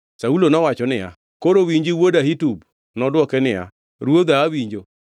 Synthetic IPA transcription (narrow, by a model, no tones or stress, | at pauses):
saulonɔwat͡ʃɔnɪja̰ | koɾowiɲd͡ʒiwodaɦitub | nɔdwɔkɛnɪja̰ | ɾuod̪aːwiɲd͡ʒo